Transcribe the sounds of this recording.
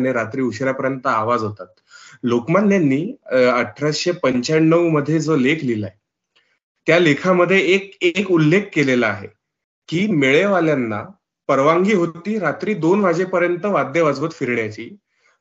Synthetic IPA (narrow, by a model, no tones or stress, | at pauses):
neɾat̪ɾiːuɕɾjapəɾjənt̪əaʋad͡zɦot̪at̪̚ | lokmanːanːiːəʈʰːɾasɕepəɲt͡ɕaɳnːəʋməd̪ʱːjed͡zolekʰlilae | t̪jalekʰaməd̪ʱːjeːk̚ekulːekʰːelelaaɦḛ | kiːmeɭeʋaljanːa | pəɾʋaŋɡiːɦot̪iːɾat̪ɾiːd̪onʋ̤ad͡ʑepəɾjənt̪əʋad̪ʱːjeʋad͡zʋət̪fiɾɳjat͡ɕiː